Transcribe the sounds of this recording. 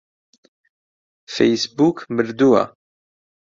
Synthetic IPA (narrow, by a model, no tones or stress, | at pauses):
fejsbukməɾd̪ua̰